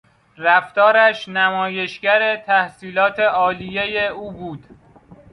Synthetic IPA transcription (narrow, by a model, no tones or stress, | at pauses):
ræft̪ɒːɾæʃnæmɒːje̞ʃɡæɾet̪ʰæhsiːlɒːt̪ʰe̞ʔɒːlijejeuːbuːd̪̥